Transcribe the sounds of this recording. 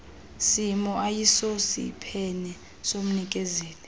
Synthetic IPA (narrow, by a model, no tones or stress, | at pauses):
simɔʔajisosḭpʰɛnɛ | som̩nikʼɛzeːlɛ